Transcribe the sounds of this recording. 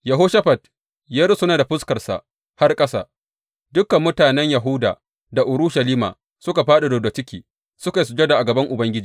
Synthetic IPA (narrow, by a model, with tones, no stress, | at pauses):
jɐ˨ɦoː˦ʃɐ˦ɸɐ˨t̚ | jɐ˦ɾsʊ˦naː˨da˨ɸʊ˦skɐ˨rsa̰˨ | ha˦rkʼɐ˦sa̰ː˨ | dʊ˦kːɐ˨mːʊ˦taː˨nɛ˦ɲja˨ɦʊ˦da̰ː˨ | da˨ʔʊ˨ɾʊ˦ʃɐ˨liː˦ma̰ː˨ | sʊ˦ka˨ɸaː˦ɗa˨doː˨da˨t͡ʃɪ˦kʲiː˨ | sʊ˦ka˨js̬ʊ˨d͡ʒe˦da˨ʔa˨ɡɐ˨bɐ˦ŋʔʊ˨bɐ˦ŋɡʲɪ˦d͡ʒiː˨